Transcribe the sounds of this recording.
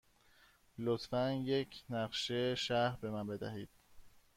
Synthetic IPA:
lot̪fænje̞cʰnæɢʃeʃæɾbe̞mænbe̞d̪æ̰ɦiːd̪̥̚

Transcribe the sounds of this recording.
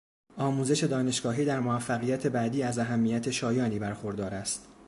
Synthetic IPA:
ʔɒːmuːze̞ʃe̞d̪ɒːneʃɡ̥ɒːɦiːd̪æɾmoæfːæɣijæt̪ʰe̞bæd̪iːæzæɦæmːijæt̪ʰe̞ʃɒːjɒːniːbæɾxo̞ɾd̪ɒːɾæst̪

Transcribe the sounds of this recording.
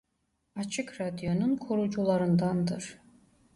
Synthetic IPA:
at͡ʃʰɯkɾad̪jo̞nunkʰoɾud͡ʒulˠaɾɯnd̪and̪ɯɾ̥

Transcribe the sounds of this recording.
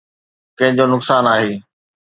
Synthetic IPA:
kɐ̃ɦɪ̃ɲd͡ʑonʊksaːnaːɦeː

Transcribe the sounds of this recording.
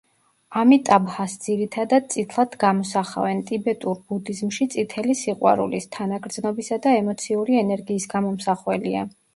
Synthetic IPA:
amit̪ʼabhasd̪ziɾit̪ʰad̪ad̪̚t̪sʼit̪ʰlˠad̪ɡamɔsaχa̰vɛnt̪ʼibɛt̪ʼuɾbud̪izmʃit̪sʼit̪ʰɛlisiqʼwa̰ɾṵlist̪ʰanaɡɾd̪znɔbisad̪aɛmɔt̪sʰiuɾiɛnɛɾɡiːsɡamɔmsaχwɛlia̰

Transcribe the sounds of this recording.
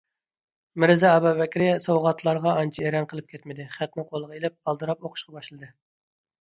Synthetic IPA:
mɪɾɪzɛɑbɑvɛkʲɾɪsowʁɑt̪ʰlˠɑɾʁɑɑnt͡ʃʰieɾɛnqʰəlˠɨp̚kʲʰet̪mɪd̪ɪχæt̪nɪqʰolˠəʁɑelɪp̚ɑlˠd̪ɨɾɑp̚oqʰʊ̥ʃqɑbɑʃlˠɨd̪ɨ

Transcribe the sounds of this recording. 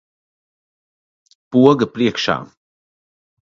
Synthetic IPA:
puəɡəpɾiɛkʃa̰

